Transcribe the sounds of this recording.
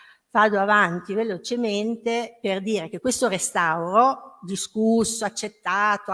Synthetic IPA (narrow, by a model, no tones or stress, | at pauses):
vaːd̪oavant̪ivelot͡ʃement̪eperd̪iːɾek̟ekːwest̪orest̪awɾod̪iskusːoat͡ʃːet̪ːaːt̪o